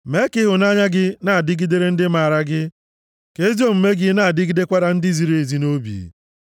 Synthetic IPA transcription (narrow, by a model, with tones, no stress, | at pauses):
me˦kɪ˦ɦʊ˨na˦ɲa˦ɡɪ˦na˦˨dɪ˦ɡi˦de˦ɾe˦n̩˦dɪ˦ma˨ɾa˦ɡɪ˦ | ke˦zi˦o˦˨m̩˨me˦ɡɪ˦na˨dɪ˦ɡi˦de˦kʷa˦ɾa˨n̩˦dɪ˦zi˨ɾe˨e˨zi˦no˦bḭ˨